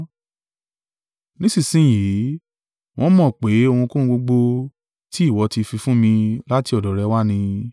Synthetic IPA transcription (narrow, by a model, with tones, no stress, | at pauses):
nĩ˦si˦˨sĩ˨˦˨ji˨˦ | w̃ʔɔ̃˦mɔ̃˦˨k͡pe˨˦o˧hũ˧kõ˦˧ɡ͡bo˧ɡ͡bo˧ | ti˦i˦˨wɔ˨˧˦ti˧fi˧fũ˦mĩ˧la˦ti˧ɔ˨dɔ˨ɾɛ˨˧˦wa˦nĩ˧